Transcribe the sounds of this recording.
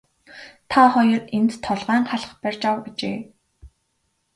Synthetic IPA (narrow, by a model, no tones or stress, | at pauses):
t̪ʰaχɔjɞ̆rent̪ʰːɔɮʁæːɴχaɮ̆χpærʲt͡ɕawat͡ɕḛː